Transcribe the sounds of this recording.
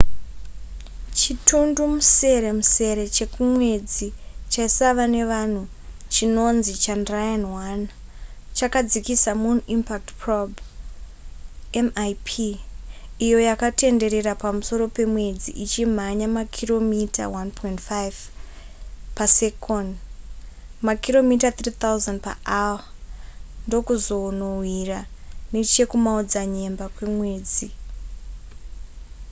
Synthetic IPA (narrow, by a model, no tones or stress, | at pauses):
t͡ʃitʰundumuse̞ɾe̞muse̞ɾe̞t͡ʃe̞kumwe̞d͡zit͡ʃaisaʋane̞ʋan̤u | t͡ʃino̞nzit͡ʃandrajanwant͡ʃakad͡zikisamunimpak̚tprob | emajpʰiː | jo̞jakate̞nde̞ɾe̞ɾapamuso̞ɾo̞pe̞mwe̞d͡ziʔit͡ʃim̤aɲamakʰiro̞mita̰wanpʰointfajv | pasekʰon | makiɾo̞mitat̪riːt̪auzandpa̰ʔawa | ndo̞kuzo̞nowiranet͡ʃe̞kumaud͡zaɲe̞mbakwe̞mwe̞ːd͡zi